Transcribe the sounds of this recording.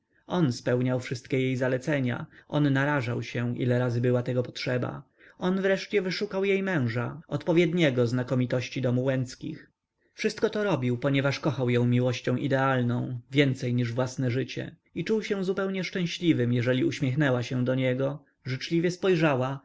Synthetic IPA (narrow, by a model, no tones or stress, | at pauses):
ʔɔnspɛwɲawfʂɘst̪kʲɛjejzalɛt̪sɛɲa̰ʔɔnːaɾaʐawɕɛʔḭlɛɾazɘbɘwat̪ɛɡɔpɔ̥tʂɛba̰ | ɔnvɾɛʂt͡ɕɛvɘʂukawjejmɛ̃w̃ʐaɔt̪pɔvʲjɛd̪ɲɛɡɔznakɔmʲit̪ɔɕt͡ɕid̪ɔmuwɛnt̪skʲḭx | fʂɘst̪̚kɔt̪ɔɾɔbʲiwpɔɲɛvaʂkɔxawjɔ̃w̃mʲiwɔɕt͡ɕɔ̃w̃ʔid̪ɛalnɔ̃w̃vʲjɛnt̪sɛjɲiʐvwasnɛʐɘt͡ɕɛ̰ | it͡ʂuwɕɛw̃zupɛwɲɛʂt͡ʂɛ̃w̃ɕlʲivɘmjɛʐɛlʲiuɕmʲjɛxnɛwaɕɛ̃d̪ɔɲɛɡɔ | ʐɘt͡ʂlʲivʲjɛspɔjʐawa